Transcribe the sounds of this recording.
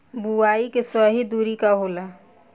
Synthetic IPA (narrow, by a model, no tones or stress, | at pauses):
buaːikesɔɦid̪uːɾikaɦoːla